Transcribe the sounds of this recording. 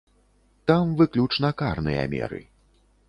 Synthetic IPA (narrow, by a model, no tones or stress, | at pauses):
t̪amvɨklʲut͡ʂnɐkarnɨjɐ̰mʲɛ̰ɾɨ̰